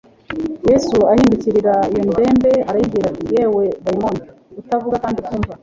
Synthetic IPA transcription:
je̞suahiːnduciɾiɾaijomde̞ːmbe̞aɾajibɡiːɾatijeːwe̞baimon | utavuɡakaːndikuːɱva

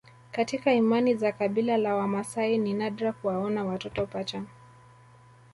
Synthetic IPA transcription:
katikaimanizakaɓilalawamasaininaɗɾakuwaɔnawatɔtɔpat͡ʃa

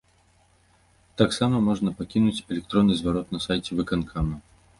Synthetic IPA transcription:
t̪aksamɐmɔʐnɐpakʲinut͡sʲɛlʲɛk̚t̪ɾɔnːɨzvaɾɔt̪nɐsajt͡sʲɛvɨkankʰamɐ

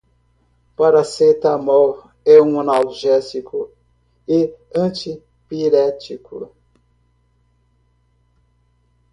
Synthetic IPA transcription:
paɾaset̪amɔw | ɛũɐnalʒɛsikʰʊ | ɪ | ɐ̃t͡ʃi | piɾɛt͡ʃikʰʊ̰

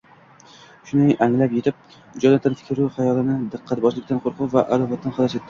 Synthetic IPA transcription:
ʃʊnɪjʔaŋlapje̞t̪ɪp̚ | d͡ʒɒnat̪ːanfʰɪ̥kʲʰɪɾuχajɒlˠɪnɪd̪ɨqʰːɑt̪̚bɒʃlˠɪkʲt̪anqʰoɾqʰʊpvaʔad̪ɒvat̪ːanχɒd̪aset̪ːɪ

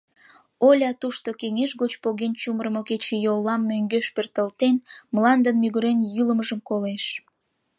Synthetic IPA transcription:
olʲɑt̪uʃt̪okeŋeʃɣot͡ɕpoɣent͡ɕuməɾəmoket͡ɕejolˠːɑmːøŋɡøʃpørt̪əlt̪enməlɑnd̪ənmyɣuɾenjyləməʒəmkoleʃ

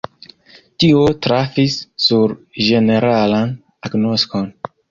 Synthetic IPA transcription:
tiotɾafisːuɾʒe̞ne̞ɾalan | aɡno̞sko̞n

